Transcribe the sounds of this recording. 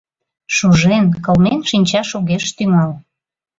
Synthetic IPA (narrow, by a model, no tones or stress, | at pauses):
ʃuʒenkəlmenʃinʲt͡ɕɑʃuɣeʃt̪yŋɑl